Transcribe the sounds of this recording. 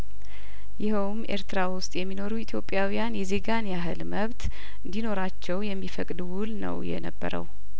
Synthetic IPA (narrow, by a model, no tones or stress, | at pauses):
jɪhəwmʔe̞ɾt̪ɾawʊst̪ʼjɛmːino̞ɾuit̪ʰjo̞pʼːjawijanjɛze̞ɡanjaɦɨlməβt̪ | ɨnd̪ino̞ɾat͡ʃːɛwjɛmːifəkʼd̪wʊlnə̰wjɛ̰nəbːə̰ɾə̰w